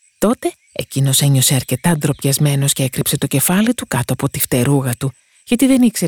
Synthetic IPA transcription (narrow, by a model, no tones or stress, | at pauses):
t̪o̞t̪e̞ | ecino̞se̞ɲo̞se̞ɐɾce̞t̪ɐd̪ɾo̞pçɐzme̞no̞sce̞ekɾipse̞t̪o̞ce̞fɐlit̪ukɐt̪oɐpo̞t̪ift̪e̞ɾuɣɐt̪u | ʝɐt̪iðe̞nikseɾ